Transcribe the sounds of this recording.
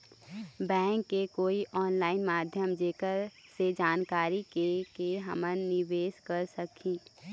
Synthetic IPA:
bɛ̃ːŋkːekoːiʔɔːnlaːɪnmaːd̪ʱjəmd͡ʒeːkəɾsed͡ʒaːnkaːɾikekeɦəmənnɪʋeːskəɾsəkʰĩː

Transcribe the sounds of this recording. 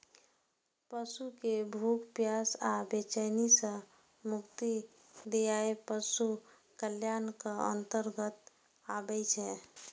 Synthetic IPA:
pəsukebʱukpjaːsabet͡ʃənisə̃ | mʊkt̪i | d̪ejaepəsu | kəljaːnkaə̰̃nt̪əɾɡət̪ | aːbɛt͡ʃʰɛ

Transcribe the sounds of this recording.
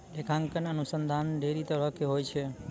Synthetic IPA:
ekʰãŋkəneənusənd̪ʱanɖʱeɾit̪əɾəkːeɦojt͡ʃʰe

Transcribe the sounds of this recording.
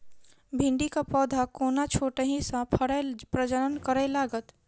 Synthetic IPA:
bʱɪ̃ɳɖikapɔːd̪ʱakoːnat͡ʃʰoːʈəɦĩsãpʰəɽɛpɾəd͡ʒəɾənkəɾɛlaːɡət̪

